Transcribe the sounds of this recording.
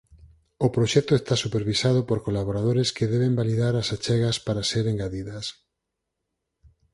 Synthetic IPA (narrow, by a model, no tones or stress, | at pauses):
opɾoʃɛt̪oest̪asupeɾβisað̞opoɾkolaβoɾað̞oɾeskeðɛβembaliðaɾasat͡ʃɛɣɐspaɾaseɾeŋɡaðiðɐs